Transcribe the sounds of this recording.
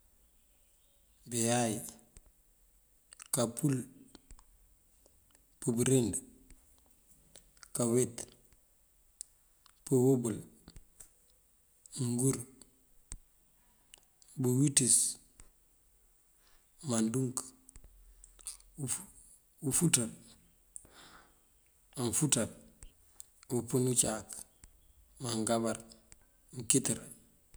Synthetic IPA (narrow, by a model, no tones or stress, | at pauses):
bejaj | kapʰul | pəbuɾend | kawet | pəwobul | ŋɡuɾ | buwitis | manduŋk | ufutal | anfutal | upunut͡ʃaːk | maŋɡabaɾ | ŋkitiɾ